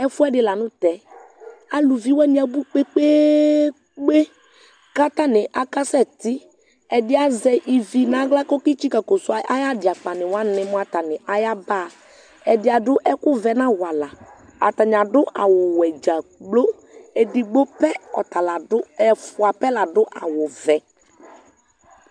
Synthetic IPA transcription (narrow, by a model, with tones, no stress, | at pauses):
ɛ˦fʊ˦ɛ˦dɪ˨la˨nʊ̃˦t̪ɛ˨ | a˨lu˨vi˦wɛ˦nɪ̃˨˦a˨bu˦k͡pe˦k͡pe˦ | k͡pe˦ | ka˦t̪a˦nɪ˨ʔa˨ka˦sɛ˦˨t̪ɪ˦ | ɛ˨dɪ˦a˦zɛ˨ʔi˨vi˨nã˨˦ɡla˦kɔ˦kɪ˦t͡ʃi˦ka˨ko˨sʊ˨˦a˦a˦ja˦dɪ˨a˨k͡pa˨nɪ˨wa˦nɪ̃˨mʊ˦a˨t̪a˨nɪ˨ʔa˨ja˦baː˦˨ | ɛ˨dɪ˨a˨dʊ˦ʔɛ˦kʊ˦vɛ˨nã˦wa˨la˨ | a̰˨ta˨ɲ˨a˨dʊ˦ʔa˨wʊ˨wɛ˨d͡ʒa˨ɡ͡blo˦ | e˨dɪ˨ɡ͡bo˦pɛ˦ɔ̰˨ta˨la˨dʊ˦ɛ˨fʊ˨a˨pɛ˦la˨dʊ˦ʔa̰˨wʊ˨vɛ˨